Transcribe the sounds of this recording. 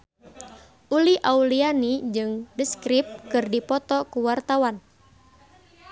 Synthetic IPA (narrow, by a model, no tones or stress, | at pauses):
ʔuliʔaulianid͡ʒɨŋdəskɾip̚kɨrdipɔt̪ɔkuwart̪awan